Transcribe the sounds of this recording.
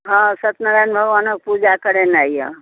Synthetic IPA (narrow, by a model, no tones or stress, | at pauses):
ɦãsət̪nəɾajnbʱəɡʋanək̚pud͡ʒakəɾenajjə̰